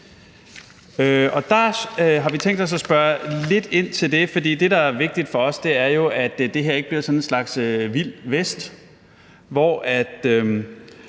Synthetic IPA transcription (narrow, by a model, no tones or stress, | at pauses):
øɒ̽d̥ɑ̈ɦɑ̈ʋit͡sʰeŋ̰d̥ɒ̽s̬ɒsb̥ɶɐle̝d̥e̝n̰t͡sʰe̝ld̥e̝fɒ̽d̥ḭːd̥e̝ɾɑ̈æɐʋe̝ɡ̥̚d̥id̥fɒ̽ɒ̽sd̥e̝æɐjo̝ʔæd̥d̥e̝ɦe̝ɐeɡ̥bliɐsɒ̽nenslɑ̈ɡ̥søʋil̰ʋesd̥ | ʋɒʔæd̥ø